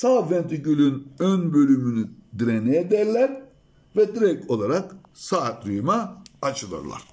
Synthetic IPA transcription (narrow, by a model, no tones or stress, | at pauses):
saːvɛnt̪ʰicylʲynønbø̞lʲymynyd̪iɾenejɛd̪ɛɾlʲɛɾ | vɛd̪iɾɛcʰo̞lˠaɾak | saːt̪ɾyjmaat͡ʃʰɯlˠɯ̰ɾlˠa̰ɾ̥